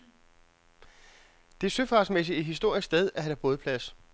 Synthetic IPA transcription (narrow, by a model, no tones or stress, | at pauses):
d̥e̝æɐsøfɑ̈ːsmes̬ieɦisd̥o̝ɐ̰isɡ̥sd̥eð̞ˠæɦæɾ̥ʰæb̥oːð̞̩ˠpʰlæs